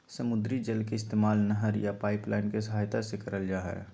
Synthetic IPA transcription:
səmʊd̪ɾid͡ʒəlkeɪst̪eːmaːlnəɦəɾjapaːɪplaːɪnkesəɦaːjt̪asekɐɾəld͡ʒaːɦɛ̰ː

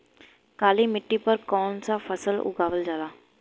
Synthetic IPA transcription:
kaːliːmɪʈːiːpəɾkɔːnsaːfʰəsəlʊ̰ɡaːʋəld͡ʒaːlaː

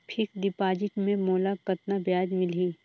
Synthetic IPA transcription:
pʰɪkd̪ɪpaːd͡ʒɪʈmẽmoːlakɐt̪nabjaːd͡ʒmɪliː

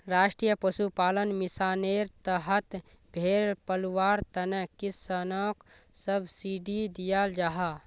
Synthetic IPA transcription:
ɾaːʃʈɾijəpəsupaːlənmɪsaːneːɾt̪əɦət̪ | bʱeːɾpəlwaːɾt̪ɐnekisənoːk | səbʱsiɖid̪ijaːld͡ʒaɦaː

